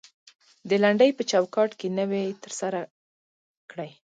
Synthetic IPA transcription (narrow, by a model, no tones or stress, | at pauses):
d̪əlaɳɖəjpət͡ʃɑwkɑʈkenəwejt̪əɾsaɾa | kɽaj